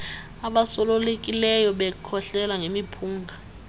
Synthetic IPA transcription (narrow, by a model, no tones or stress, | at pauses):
aɓasɔlolek̬ʼilɛjɔɓɛkʰɔɬɛlaŋemipʰuːŋɡʱa